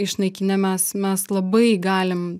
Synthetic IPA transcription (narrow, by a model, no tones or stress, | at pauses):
ɪʃnɐɪkʲɪnʲɛmʲɛsmʲɛslˠɐbɐɪɡɑːlʲɪm